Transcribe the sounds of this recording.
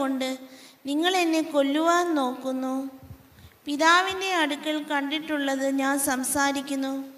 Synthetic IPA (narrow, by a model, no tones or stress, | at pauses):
oɳɖɨniŋːɐɭe̞nːe̞ko̞lːuʋaːnno̞ːkːunːu | piðaːʋinde̞ɐɽukːɐɭkɐɳɖiʈːuɭːɐðɨɲaːnsɐmsaːɾikʲːunːu